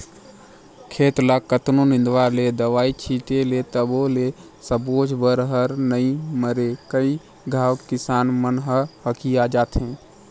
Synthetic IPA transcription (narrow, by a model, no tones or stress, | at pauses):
kʰeːt̪lakət̪nonɪ̃nd̪ʋaled̪əʋaːit͡ʃʰit̪elet̪əbole | səboːd͡ʒbəɾɦəɾnəĩməɾekəi | ɡʱaːwkɪsaːnmənɦəhəkʰijad͡ʒaːt̪ɦẽː